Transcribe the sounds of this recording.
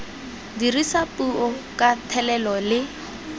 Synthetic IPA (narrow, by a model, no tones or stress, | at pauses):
dirisapʼuɔkʼatʰɛlɛlɔlɪ